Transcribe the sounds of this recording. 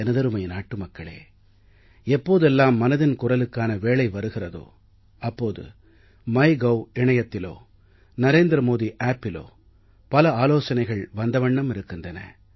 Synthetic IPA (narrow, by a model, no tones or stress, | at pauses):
ɛnɐðɐɾɯmɐɪnaːʈːɯmɐkːɐɭḛː | ɛpːoːðɯɛlːaːmːɐnɐðɪnkʊrɐlɯkːaːnɐʋeːɭɐɪʋɐɾɯɣɪrɐðo̰ː | ʔɐpːoːðɯ̰ | mɐɪɡɐwɪɳɐjɐt̪ːɪlo̰ː | nɐɾeːnd̪ɾɐmoːðiʔaːpːɪlo̰ː | pɐlɐaːloːsɐnɐɪɣɐɭʋɐnd̪ɐʋɐɳːɐmɪɾɯkːɯndrɐnɐ̰